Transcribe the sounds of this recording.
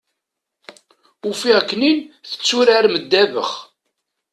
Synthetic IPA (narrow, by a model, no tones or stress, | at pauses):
ufiʁəkːninθə̥t͡sːuɾaɾməd̪ːævə̰χ